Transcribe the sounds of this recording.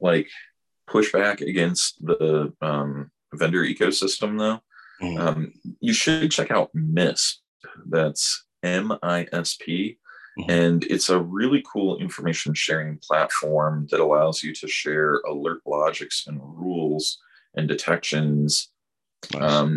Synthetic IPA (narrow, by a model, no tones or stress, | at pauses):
laɪk | pʰʊʃb̥ækɨ̰ɡɛ̃ns̚ðəʌ̃m | vɛ̃ndə˞ʔikoʊsɪstə̃mðoʊʌ̃mjɨʃɨd̚t͡ʃʰɛkaʊt̚mɪs | ðæts | ɛ̃maɪʔɛspʰi | ɨ̃nɪ̰tsəɹɪlˠikʰulˠɪ̰̃ɱfə˞meɪʃn̩ʃɛɹɪ̃ŋpʰl̥ætfɔɹmðɨɾəlaʊzjɨɾɨʃɛɹə̰lɜ˞ʔlɑd͡ʒɨksɨ̃nɹulˠz̥ | ʔɨ̃ndɨtʰɛkʃɨ̃nz̥ | ʌ̃m